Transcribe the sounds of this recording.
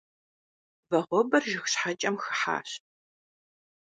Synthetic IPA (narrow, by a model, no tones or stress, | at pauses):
bɐʁʷɔbɐrʒɪxɕħat͡ʃʼɐmxɨ̥ħa̰ːɕ